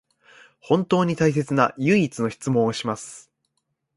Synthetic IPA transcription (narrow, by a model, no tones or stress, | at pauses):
hõ̞nt̪o̞ːɲ̟it̪ais̬e̞t͡sɨnajɯ̟it͡sɨno̞çʲi̥t͡sɨmõ̞ɰ̃oɕimasɨ̥